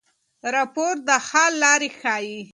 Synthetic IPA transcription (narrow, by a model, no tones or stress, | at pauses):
ɾɑpoɾd̪əhɑllːɑɾexɑji